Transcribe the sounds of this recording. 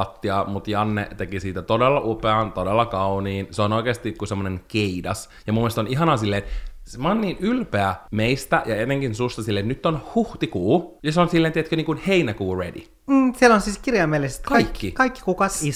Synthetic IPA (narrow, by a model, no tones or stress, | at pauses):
t̪ːiɑmut̪jɑnːḛt̪ekisiːt̪æt̪odelːɑʔupeɑnt̪odelːɑkɑuniːnseonoikeːst̪ikkusemːoneŋkeidɑs | jɑmumːiest̪oniɦɑnɑːsilːeːnsmɑnːiːnylpeæmeist̪æjɑet̪eŋkinsust̪ɑsilːeːt̪nyt̪ːonhuht̪ikuːjɑseonsilːeːnt̪iet̪køniːŋkunheinækuːredḭ | m̩ːsielonsiːskirjɑmːelese̥t̪kɑɑikːikɑikːi̥kukɑsi